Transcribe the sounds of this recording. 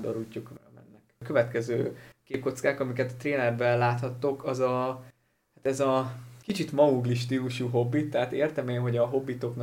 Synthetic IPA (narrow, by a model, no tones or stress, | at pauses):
d̪o̰ɾucːukʋɛmɛ̰nːɛkkø̞vɛt̪kɛzøːkeːp̚ko̞t̪skaːkɒmikɛt̪ɒt̪reːnɛrbɛlːaːt̪hɒt̪ːokʰɒzɒ | hat̪ɛzɒkit͡ʃit̪mɒuɡliʃt̪iuʃuɦo̞bːit̪ːɛɦat̪eːrt̪ɛmeːnɦo̞ɟɒɦo̞bːit̪o̞kn